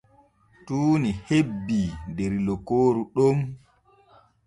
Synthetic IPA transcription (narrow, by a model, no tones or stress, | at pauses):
tuːnihebːindeɾlɔkːoːɾuɗom